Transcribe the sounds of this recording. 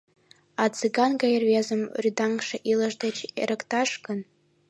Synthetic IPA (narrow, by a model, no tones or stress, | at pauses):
at͡sʰeɡanɡajerɥazɨmridaŋkʂaʔilaʐdat͡ʃʰḛɾɨkʼtʰaʂɡɨn